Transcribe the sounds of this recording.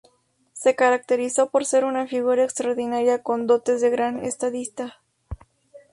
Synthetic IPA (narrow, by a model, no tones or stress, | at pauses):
se̞kaɾak̚t̪e̞ɾiso̞po̞ɾse̞ɾunafiɣuɾaekst̪ɾaɾðinaɾjako̞nd̪o̞t̪e̞zðe̞ɣɾanḛst̪aðist̪a